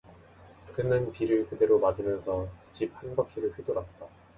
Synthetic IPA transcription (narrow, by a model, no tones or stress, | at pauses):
kɯnɯnpiɾɯɭkɯde̞ɾomad͡ʑimjʌnsʰʌtud͡ʑip̚hanɡakʰiɾɯɭɸidoɾak̚t͈a